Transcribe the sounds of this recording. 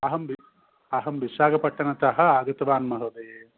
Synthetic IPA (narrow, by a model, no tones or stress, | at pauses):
ɐɦɐmʋi | ɐɦɐmʋiʃaːɡɐpɐʈːɐnɐt̪ɐɦɐ̆aːɡɐt̪ɐʋaːnmɐɦɐd̪eː